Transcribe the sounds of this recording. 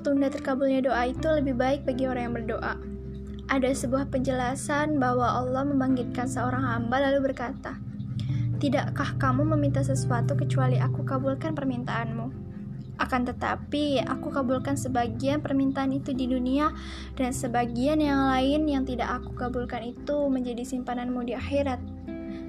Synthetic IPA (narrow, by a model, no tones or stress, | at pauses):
t̪undat̪ərkabulɲadoʔait̪uləbɪhbaɪk̚baɡioɾaŋjaŋbərdoʔa | ʔadasəbuahpəɲd͡ʒəlasanbaɦwaʔɑlːɔhməmbaŋɡɪt̪̚kansəoɾaŋɦambalalubərkat̪a | t̪idaʔkahkamuməmint̪asəsuat̪ukət͡ʃualiakukabulkanpərmint̪aːnmu | ʔakant̪ət̪a̰pia̰kukabulkansəbaɡianpərmint̪aːnit̪udidunia | dansəbaɡianjaŋlaɪnjaŋt̪idaʔaku̥kabulkanit̪uməɲd͡ʒadisimpananmudiaxeɾat̪̚